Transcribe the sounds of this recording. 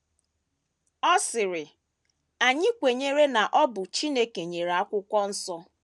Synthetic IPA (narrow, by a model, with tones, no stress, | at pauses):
ɔ˦sɪ˨ɾɪ˨ | a˨ɲɪ˦kʷe˨ɲe˦ɾe˦na˨ʔɔ˦bʊ˨t͡ʃi˦ne˦ke˨ɲe˨ɾa˨˦kʷʊ˦kʷɔ˦n̩˦sɔ˦